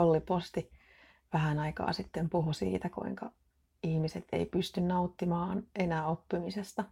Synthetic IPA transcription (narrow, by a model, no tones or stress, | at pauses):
olːipost̪i | ʋæhænɑikɑ̰ːsit̪ːempuɦusḭːt̪ækṵiŋkɑ | ihmiset̪ḛipyst̪ynnɑut̪ːimɑːnenæːopːimisest̪ɑ